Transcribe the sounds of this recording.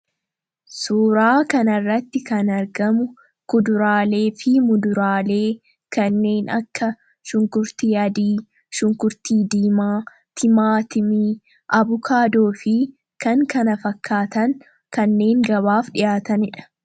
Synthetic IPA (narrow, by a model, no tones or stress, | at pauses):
suːɾaːkɐnɐrːɐt̪ːɪkɐnɐɾɡɐmʊ | kʊd̪ʊɾaːle̞ːfɪmʊd̪ʊɾaːle̞ː | kɐnːe̞ːnɐ̰kːɐ | ʃʊŋkʊɾt̪iːɐd̪iː | ʃʊŋkʊɾt̪iːd̪iːmaː | t̪ʰɪmaːt̪ɪmiː | ʔɐbʊkʰaːd̪oːfɪ | kɐŋkɐnɐfɐkʰːaːt̪ɐŋ | kɐnːe̞ːŋɡɐβaːfᶑɪjaːt̪ɐnɪᶑɐ̥